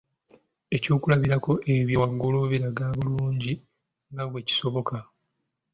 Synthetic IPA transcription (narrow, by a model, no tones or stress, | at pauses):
e̞cuːkulaβiɾako̞ʔe̞βjowaɡuluβiɾaɡaːβuluːɲɟi | ŋɡaβweci̥so̞βo̞ka